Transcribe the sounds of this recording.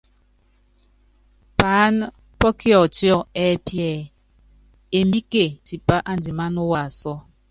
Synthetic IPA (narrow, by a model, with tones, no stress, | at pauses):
paː˨˦n | pɔ˦ki˦ɔ˨ti˦ɔ˦˨ɛː˦pjɛ˦˨ | e˨mbi˦ke˨ti˨pa˦ʔa˦n˦di˨ma˦no˦wa˨sɔ˦